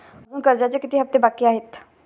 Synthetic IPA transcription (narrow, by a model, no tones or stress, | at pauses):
zũːkəɾd͡ʒaːt͡ʃekɪt̪iɦəp̚t̪eːbaːkiaːɦɪt̪ʰ